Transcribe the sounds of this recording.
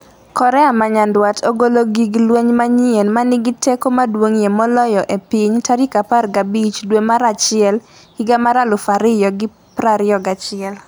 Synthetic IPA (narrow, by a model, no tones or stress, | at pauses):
kɔɾɛamaɲandwatoɡoloɡiɡlweɲmaɲienmanɪɡɪtekomadwoŋjemɔlɔjɔʔepɪɲtaɾikaparɡabit͡ʃdwemaɾat͡ʃɪɛl | hɪɡamaɾalʊfaɾɪjɔɡɪ | pɾaɾɪɔɡat͡ʃɪɛl